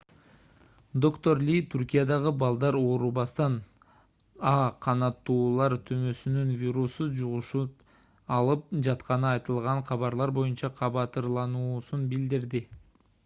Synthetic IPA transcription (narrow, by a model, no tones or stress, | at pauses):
d̪o̞kt̪o̞rlʲit̪ʰuɾkʲijad̪ɑʁɯbɑlˠd̪ɑɾo̞ːɾubɑst̪ɑn | ɑqʰɑnɑt̪ːuːlˠɑɾt̪ʰømø̞synynvʲiɾusud͡ʒuʁuʃu | ɑlˠɯp̚d͡ʒɑt̪qɑnɯɑjt̪ɯlˠʁɑɴqʰɑβɑɾlˠɑɾbo̞junt͡ʃɑqʰɑβɑt̪ɯɾlˠɑnuːsunbild̪iɾd̪ɪ